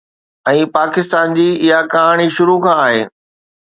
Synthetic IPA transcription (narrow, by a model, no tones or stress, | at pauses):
ɛ̃ːpaːkɪst̪aːnd͡ʑiːɪɦakɐɦaːɽ̃iʃʊɾukʰãːɦeː